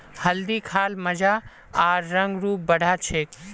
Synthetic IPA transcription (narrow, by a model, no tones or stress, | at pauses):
hɐld̪iːkʰaːlmɐd͡ʒaː | aːɾːɐ̃ŋɡɾuːp̚bɐɽ̤ʱaːt͡ʃʰeːk